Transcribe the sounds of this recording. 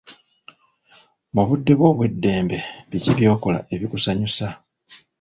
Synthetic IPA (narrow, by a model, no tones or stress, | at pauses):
muβudːe̞βwo̞ːβwe̞dːe̞ːmbe̞βiciβjo̞ːko̞la̰e̞βikusaɲusa